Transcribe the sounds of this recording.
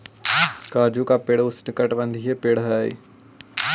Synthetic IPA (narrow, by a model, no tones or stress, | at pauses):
kaːd͡ʒukapeːɽʊsnɪkəʈbə̃nd̪ʱiɦepeːɽɦaːḭ